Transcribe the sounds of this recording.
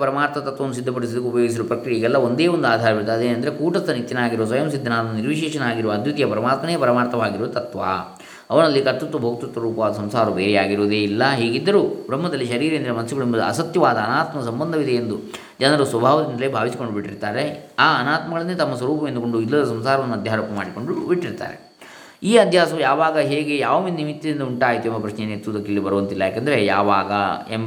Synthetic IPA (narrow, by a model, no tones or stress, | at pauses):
ɐpɐɾɐmaːɾt̪ɐt̪ɐt̪ʋɐnːusid̪ʱːɐp̬ɐɽis̬id̪ɐkːeupɐjoːɡis̬iɾupɾɐkɾijɐɦiːɡɛlːɐond̪eːond̪uaːd̪ʱaːɾɐbiɾut̪aːd̪eːnɐnd̪ɐɾekuːʈɐst̪ːɐnit̪ːjɐnaːɡiɾuʋɐs̬ʋɐjɐmsid̪ʱːɐnaːd̪ɐnːuniɾʋiʃ̬ɛːʃɐnɐaːɡiɾuʋɐd̪ʱjut̪ijɐpɐɾɐmaːt̪mɐneːjɐpɐɾɐmaːɾt̪ɐʋaːɡiɾuʋɐt̪ɐt̪ʋa̰ː | ɐʋɐɳɐlːikɐt̪ːut̪ːubʱoːɡ̚t̪usʋɐɾuːpɐʋaːd̪ɐsɐmsaːɾubeːɾejaːɡiɾuːd̪eːilːɐɦiːɡid̪ːɐɾuːbɾɐmːɐd̪ɐlːiʃɐɾiːɾend̪ɐɾɐmɐnɐsuɡɐɭimbɐd̪ṵɐ̰sɐt̪jɐʋaːd̪ɐːnaːt̪mɐsɐmbɐnd̪ʱɐʋid̪ɐjend̪u | d͡ʒɐnɐɾusʋɐbʱaːʋɐd̪ind̪ɐleːbʱaːʋisi̥ko̞ɳɖubiʈːiɾt̪aːɾe̞aːɐnaːt̪mɐɡɐɭɐnːet̪ɐmːɐs̬ʋɐɾuːpɐʋend̪uko̞ɳɖuilːɐd̪ɐs̬ɐmsaːɾɐʋɐnːuɐd̪ʱjaːɾɐːpɐmaːɽiko̞ɳɖubiʈːiɾt̪a̰ːɾe̞̰ | iːɐd̪ʱjaːsɐʋujaːʋaːɡɐɦeːɡe̞jaːʋɐmind̪imit̪ːid̪ind̪ɐuɳʈaːjt̪uembɐpɾɐʃnenet̪ːud̪ɐkːilːibɐɾuʋɐnt̪ilːɐjaːkend̪ɐɾejaːʋaːɡɐ̰em